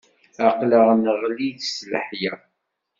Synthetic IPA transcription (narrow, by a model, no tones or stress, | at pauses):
æqləʁnəʁliðslə̰ħjæ